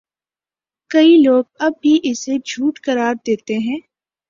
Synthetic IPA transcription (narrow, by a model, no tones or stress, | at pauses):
kɐiloːɡ̚ɐb̚ːiʔɪsed͡ʒʱuːʈkɐɾaːɾd̪eːt̪eɦɛ̃ː